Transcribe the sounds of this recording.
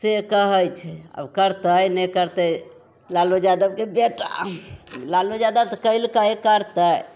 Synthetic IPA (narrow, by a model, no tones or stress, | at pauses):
sekəɦəjt͡ʃʰɛə̰bkəɾt̪əjnɛkəɾt̪əj | lalud͡ʒad̪əb̚kebeʈa̰ | lalud͡ʒad̪əbt̪ɔkəjlkəjkəɾt̪əj